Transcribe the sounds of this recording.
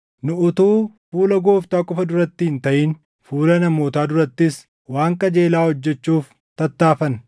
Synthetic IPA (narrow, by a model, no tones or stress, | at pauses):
nʊʊt̪uːfuːlɐɡoːft̪aːkʼɔfɐd̪ʊɾɐt̪ːɪhɪnt̪ɐʔiːn | fuːlɐnɐmo̞ːt̪aːd̪ʊɾɐt̪ːɪs | waːŋkɐd͡ʒeːlaːhɔd͡ʒːɛt͡ʃːuːf | t̪ɐt̪ːaːfɐn